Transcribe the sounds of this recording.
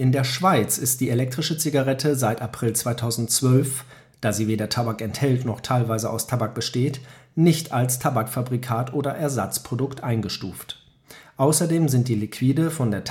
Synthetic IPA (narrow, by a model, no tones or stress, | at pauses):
ʔɪndeːɐʃv̥aɪt͡sɪst̚d̥iːelɛk̚tʁ̥ɪʃət͡siɡaʁɛtʰəzaɪtapʁ̥ɪlt͡sv̥aɪtʰaʊzn̩tt͡sv̥œlf | d̥aːziːveːdɐtʰabakɛnthɛltnɔχtʰaɪlvaɪzəʔa̰ʊstʰabak̚b̥əʃteːtnɪçtʰalstʰabakfabʁikʰaːtʔoːdɐʔɛɐzat͡spʁ̥odʊktʔaɪnɡəʃtuːft | ʔaʊsɐdeːmzɪnt̚d̥iːlikʰv̥iːdəfɔndeːɐt